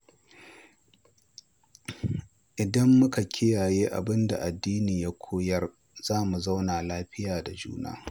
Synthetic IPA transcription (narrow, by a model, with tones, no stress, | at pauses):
ʔɪ˨dɐ˦mːʊ˦ka˨kʲʰɪ˦jaː˨jeː˦ʔa̰˨bɪ˦nda̰˨ʔa˨dːiː˦niː˨ja˦kʷʰoː˦jɐ˦r | z̥aː˦mu˨za˦wnaː˨laː˦ɸɪ˦jaː˨da˨d͡ʒṵː˦na̰ː˦